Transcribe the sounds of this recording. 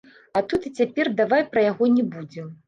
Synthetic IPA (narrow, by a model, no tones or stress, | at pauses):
at̪ut̪ɨt͡sʲapʲɛrd̪avajpɾɐjaɣɔnʲɛbud͡zʲɛm